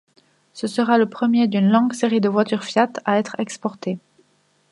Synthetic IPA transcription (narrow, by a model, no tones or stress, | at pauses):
səsəʁaləpχəmjed̪ynlɔ̃ɡseʁid̪əvwat̪yʁfjat̪aɛt̪χɛkspɔʁt̪e